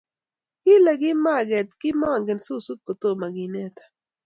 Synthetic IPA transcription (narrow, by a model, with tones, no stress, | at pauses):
ki˦la˨ɡi˦maː˦˨ɡe˨t̪ki˦mãː˦˨ŋɡe˨nsu˦su˦t̪̚ko˨t̪oː˦˨ma˨ɡiː˨ne˦˨t̪ḁ˨